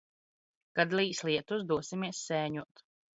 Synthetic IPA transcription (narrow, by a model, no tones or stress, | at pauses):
kad̪liːslˠiɛt̪uzd̪uɔsimiɛsːɛːɲuɔt̪